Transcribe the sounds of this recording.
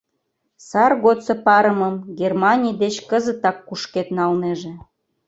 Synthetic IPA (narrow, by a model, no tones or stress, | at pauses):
sɑrɣot̪t͡sɤ̆pɑɾəməmɡʲermɑnʲijd̪et͡ɕkəzə̆t̪ɑkːuʃket̪nɑlneʒĕ